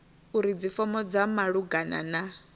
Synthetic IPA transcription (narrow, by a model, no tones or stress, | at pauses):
uɾid͡zifɔmɔd͡zamaɺuɡana̰na